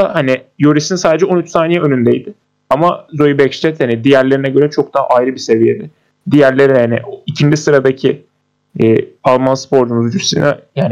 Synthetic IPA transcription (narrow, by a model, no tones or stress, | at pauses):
ahanijoɾisinsaːd̪ed͡ʒɛo̞nyt͡ʃsaːnijɛønynd̪ejd̪ɪ | amazojibɛcst̪ɛt̪hanid̪ijæɾlʲe̞ɾinɛɟø̞ɾɛt͡ʃʰo̞k̚d̪aɦa̰ʔajɾɯbise̞vijed̪ɪ | d̪ijæɾlʲe̞ɾinhanɪʔicʰind͡ʒisɯɾad̪acʰiː | alˠmanspʰo̞ɾd͡ʒumuzd͡ʒyɾsḭnɛjaːn